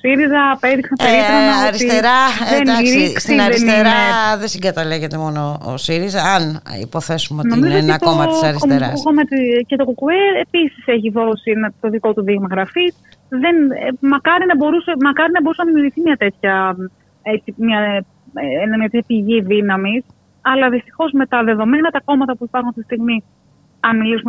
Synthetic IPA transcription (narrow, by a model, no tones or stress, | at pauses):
osiɾizɐpe̞ðiksɐpeɾit̪ɾonɐoɾit̪ieɾɐðeniɾiksiðeneɾɐeðesiŋɡɐt̪ɐleʝet̪emo̞noo̰siɾizɐːnḭpo̞θe̞sumeono̞mizoonit̪omɐtsɐɾisoeɾɐkomɐt̪ice̞t̪o̞kokueɾe̞pisise̞çiðo̞sienɐt̪o̞ðiko̞t̪uðiɣmɐɣɾɐfis | ðe̞nmɐkɐɾinɐbo̞ɾuse̞mɐkɐɾinɐbo̞ɾusenɐðimjuɾɣʝiθimɲɐt̪e̞t̪çɐ | eimɲɐ | enɐmɲɐt̪et̪ʰçɐpiʝiðinɐmis | ɐlɐðist̪i̥xo̞zme̞t̪ɐðe̞ðo̞menɐt̪ɐko̞mɐt̪ɐpuipɐɾxunst̪ist̪iɣmi | ɐnmilisum